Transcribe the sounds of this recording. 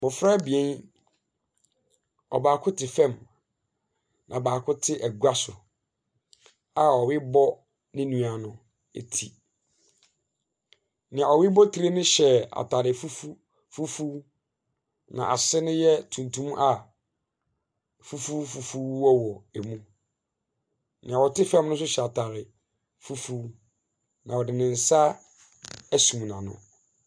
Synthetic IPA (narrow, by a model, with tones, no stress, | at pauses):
mʊ̃˨fɾa˦˨˦bi˨ẽ˦n | ɔ̰˨baː˨kʰʊ˦tʰɪ˨fɛ̃˦˨m | nʔã˨baː˨kʰʊ˦tʰɪ˦ʔɛ˨ɡu˨a˦sʊ˨ | a˨ɔ˨wɪ˦bɔ˦ | nɪ̃˦nũ˨a˨nʊ̃˨ | ḛ˨tʰi˨ | nɪ̃˨a˨ɔ˨wɪ˦bɔ˦tʰi˦ɾe˦nʊ̃˦ɕɛ˨a̰˨tʰa˨ɾɪ˨fu˦fu˦ | fu˦fu˦ | nã̰˨ʔa˨sɪ˦nʊ̃˦jɛ˦tʰũ˨n˨tʰũ˦m˦ʔa˨ | fu˦fu˦fu˨fu˦ɔ˦wɔ˨e˨mũ˦ | nɪ̃˨a˨ɔ˨tʰɪ˦fɛ˦mnʊ̃˦s̬ʊ˦ɕɛ˨a˨tʰa˨ɾɪ˨ | fu˦fu˦ | nã˨wɔ˨dɪ̃˨nɪ̃˨n̩˨sa˦ | æ˦sũ˨m˨nã̰˨nʊ̰̃˨